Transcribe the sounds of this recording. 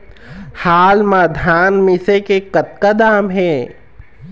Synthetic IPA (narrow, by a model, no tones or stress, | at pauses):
haːlmaːd̪ʱaːnmɪ̃sekekɐt̪̚kad̪aːmɦɛ̃ː